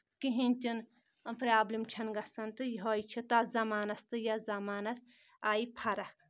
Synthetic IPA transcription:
kiɦĩnʲt̪ʲin | ɐpɾʲaːblimt͡ʃʰɐnɡɐsɐnt̪ɨjɦojt͡ʃʰit̪azɐmaːnɐst̪ɨjazɐmaːnɐs | aːipʰɐɾɐkʰ

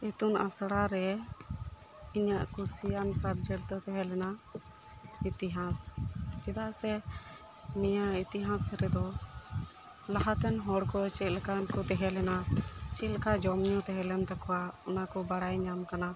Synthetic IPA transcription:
ɛt̪unasɽaɾɛ | iɲaʔkɔsijansat̪̚d͡ʒɛɾt̪ɔt̪ɛɦɛlɛna | it̪iɦãsd͡ʒɛd̪aʔsɛ | nijait̪iɦãsɾɛd̪ɔ | laɦat̪ɛnɦɔɽkɔt͡ʃɛt̪̚lɛkankɔt̪ɛɦɛlɛnat͡ʃɛlɛkad͡ʒɔmɲɔ̃t̪ɛɦɛlɛnt̪akɔwaɔnakɔbaɽajɲamkana

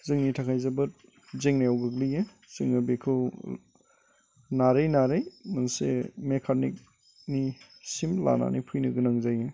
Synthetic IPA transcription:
zɯŋnitʰakʰajzabɯt | zeŋnajawɡɯklɯje | zɯŋnabekʰɯw | naɾejnaɾɯjmansḛmekʰanḭk̚ | ni | simla̰na̰nḭjpʰujnɯɡɯnaŋzaje

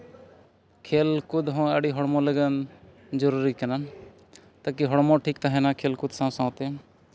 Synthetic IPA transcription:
kʰeːlkʊd̪ɦõəɽiɦɔɽmõləɡən | d͡ʒɔɾuɾikɐna | t̪akiɦɔɽmõʈʰikt̪aɦɛnãkʰeːlkʊd̪sãsãt̪e

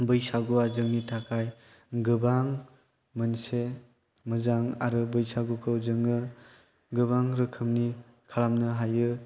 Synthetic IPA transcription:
bɯjsaɡuazɯŋnitʰakʰaj | ɡɯbaŋ | mɯnse | mɯzaŋaɾɯbɯjsaɡukʰɯwzɯŋɯ | ɡɯβaŋɾɯkʰɯmni | kʰalamnɯɦajɯ

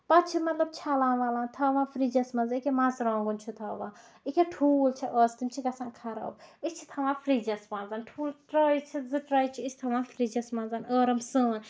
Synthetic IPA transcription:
pɐt͡ʃʰimɐt̪lɐb̚t͡ʃʰalãːnʋaːlaːnt̪ʰɐʋãːfʰɾiːd͡ʒɐsmɐnzikemãːzɾãːŋɡunt͡ʃʰut̪ʰɐːʋãː | ikʲeʈʰuːlt͡ʃʰiʔəːst̪imt͡ʃʰiɡɐsãːnkʰɐɾɐ̰ːbit͡ʃʰi̥t̪ʰɐʋãːfʰɾiːd͡ʒɐsmãːnzaːnʈʰuːlʈɾaːjt͡ʃʰizɨʈɾaːjt͡ʃʰiit͡ʃʰt̪ʰɐʋãːfɾiːd͡ʒɐsmɐnzanəːɾɐmsə̃ːn

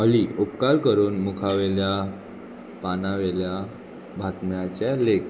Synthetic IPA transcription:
əliʔupkaɾkəɾuːnmukʰaʋelja | panaʋelja | bʱat̪mjat͡ɕalekʰ

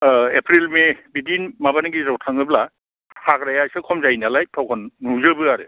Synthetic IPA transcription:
epʰɾilmebidinmabaniɡizɔwtʰaŋɯbla | hakɾajasɯkʰɔmzajnalajtʰɔwkʰɔnːuzɯbɯaɾɯ

